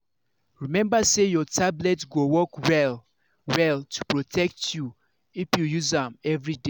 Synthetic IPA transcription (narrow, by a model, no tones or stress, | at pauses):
ɹimɛ̃mbasejɔtʰablɛtɡowɔkwɛl | wɛltʰu̥pɹotʰɛk̚tʰju | ifjujuzãmɛvɹide